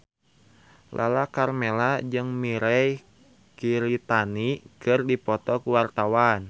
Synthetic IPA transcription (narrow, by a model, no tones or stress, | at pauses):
la̰lakarmelad͡ʒɨŋmiɾɛj | kiɾit̪anikɨrdipɔt̪ɔkuwart̪awan